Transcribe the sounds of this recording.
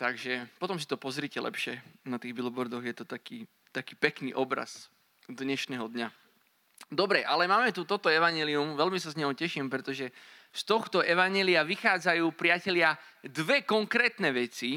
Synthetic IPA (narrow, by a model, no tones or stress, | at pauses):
t̪aɡʒɛpɔt̪ɔms̬i̥t̪ɔpɔzɾicɛlʔɛ̰pʃɪɛnat̪iːɣbilbɔɾd̪ɔɣjɛt̪ɔt̪akiː | t̪akiːpɛknḭːʔɔbɾa̰s | d̪ɲɛʃnɛɦɔd̪ɲa | d̪ɔbɾɛʔalɛmaːmɛt̪ut̪ɔt̪ɔɛʋaɲɛːliumʋɛlmisazɲɔɦʊcɛʃimpɾɛt̪ɔʒɛ | st̪ɔxt̪ɔʔɛʋaɲɛːliaʋixaːd͡zajuːpɾɪacɛʎɪa | d̪ʋɛkɔŋkɾɛːt̪nɛʋɛt͡si